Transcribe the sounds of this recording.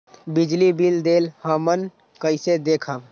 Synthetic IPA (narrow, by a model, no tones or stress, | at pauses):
bɪd͡ʒlibild̪eːlhaːmən | kəɪsed̪eːkʰə